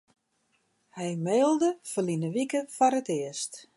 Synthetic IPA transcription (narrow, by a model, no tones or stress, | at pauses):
hɛjmeːlˠdəfəlinəʋikəfaɾətɪəst